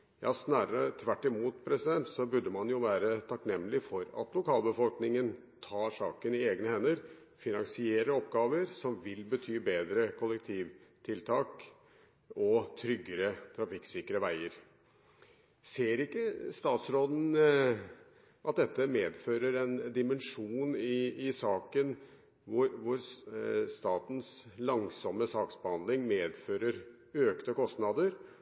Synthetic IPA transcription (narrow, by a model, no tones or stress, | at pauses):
jɑ̰ːsnæːɾəɾət̪ʰʋæʈːɪmuːt̪pʰɾɛsɪd̪ɛnt̪sɔbʉɖːəmɑnjʊʋæːɾət̪ʰɑknɛmːlɪfɔɾɑ̰t̪lʊkʰɑːlbəfɔlknɪŋən | t̪ʰɑːʂɑ̰ːkənɪeːɡnəhɛnːəɾ | fɪnɑŋsɪeːɾəɔpɡɑːʋəɾsɔmʋɪlbət̪ʰyːbeːd̪ɾəkʰʊlːɛk̚t̪ʰiːʋt̪ʰɪlt̪ʰɑːk | ɔt̪ʰɾʏɡːəɾət̪ʰɾɑfɪksɪkɾəʋæɪəɾ | seːɾɪkːəst̪ɑːt̪sɾoːd̪n̩ | ʔɑt̪̚d̪ɛt̪ːəmeːd̪føːɾəɾɛnd̪ɪmənʂuːnɪɪsɑːkən | ʋʊɾʋʊɾst̪ɑːt̪n̩slɑŋsɔməsɑːksbəhɑnd̪lɪŋmeːd̪føːɾəɾ | øːkt̪əkɔst̪nɑd̪əɾ